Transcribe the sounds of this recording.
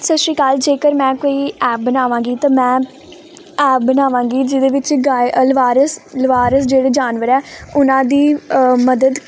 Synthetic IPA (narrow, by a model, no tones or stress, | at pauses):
səʃɾiːkaːld͡ʒeːkəɾmɛ̃ːkoːiːɛːp̚bənaːʋãːɡiːt̪ãːmɛ̃ː | ɛːp̚bənaːʋãːŋɡiːd͡ʒɪd̪eːʋɪt͡ʃɡaəlʋaːɾəslʋaːɾəsd͡ʒeːɽeːd͡ʒaːnʋəɾɛːʊnãːd̪iːməd̪əd̪